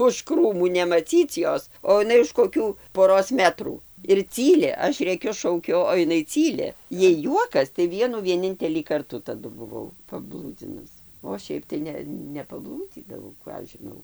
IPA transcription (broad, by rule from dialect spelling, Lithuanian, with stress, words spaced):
ʊʃ ˈkruːmuː nʲɛmɐˈt͡sʲiːt͡s ˈjoːs oː ɪˈnɐɪ ʊʃ koːˈkʲuː poːˈroːs ˈmʲæːtruː ɪr ˈt͡sʲiːlʲɪ ˈɐʃ ˈrʲeːkʲʊ ˈʃɐʊkʲʊ oː ɪˈnɐɪ ˈt͡sʲiːlʲɪ ˈjɛɪ ˈjuɔkɐs tɐɪ ˈʋʲiɛnuː ʋʲiɛˈnʲɪnʲtʲɛlʲiː ˈkɐrtuː tɐˈdʊ bʊˈʋɐʊ pɐˈblˠuːd͡zʲɪnʊs oː ˈʃʲɛɪp tɐɪ ˈnʲɛ nʲɛpɐˈblˠuːd͡zʲiːdɐʋɐʊ ˈkɑː ɐʃ ʒʲɪˈnɐʊ